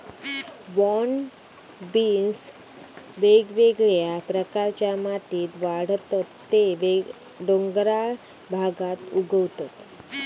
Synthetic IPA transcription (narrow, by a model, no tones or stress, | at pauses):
ʋɔn | bins | ʋeɡʋeɡɭjapɾəkaɾt͡ɕjamat̪iːt̪ʋaɽ̤t̪at̪ːeʋe | ɖoŋɡɾa | bʱaɡat̪uɡəʋt̪at̪